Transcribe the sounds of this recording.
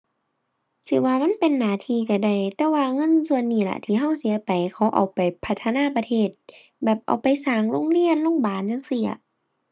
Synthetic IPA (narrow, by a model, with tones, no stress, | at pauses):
sɯ˧˦waː˧ma˧˥˨npe˨nːaː˨˦t̪ʰiː˧˨ka˧˩da˧˩jt̪ɛː˧waː˧˨ŋɤ˧˥˨nsu˧˨ə˨nːiː˧˩la̰˧t̪ʰiː˧˦ɦa˧˥˨wsi˨˦pa˨jkʰa˧˩wʔa̰˨wpa˨jpʰa˧˩t̪ʰːa˧naː˧˥˨pa˧t̪ʰeː˧˩t̪̚ | bɛː˨˩p̚ʔa̰˨˩wpa˨jsaː˨˩ŋlo˧˥˨ŋli˧˨ənlo˧˥˨ŋbaː˨˩njaː˧˥˨ŋsi˧˨˦ɐ̰˧